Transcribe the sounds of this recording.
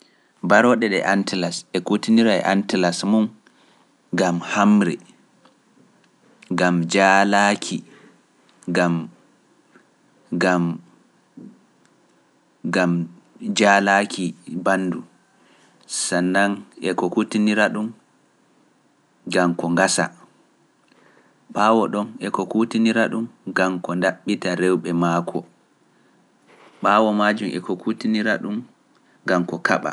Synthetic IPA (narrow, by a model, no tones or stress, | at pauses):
baɾɔɗɛɗɛ̰ʔantilasɛkutiniɾaɛ̰ʔa̰ntilasmun | ɡamhamɾɛ̰ | ɡamd͡ʒaːlaːkʰi | ɡam | ɡam | ɡam | d͡ʒaːlakʰibanːdu | sanːaŋɛkɔkutiniɾaɗum | ɡamkɔŋɡasa̰ | ɓaːwɔɗɔnɛkɔkutiniɾaɗumɡamkɔndaɓːitaɾɛwɓɛmaːkʰɔ | ɓaːwɔmaːd͡ʒumɛ̰kokʰutiniɾaɗum | ɡamkɔkʰaɓa̰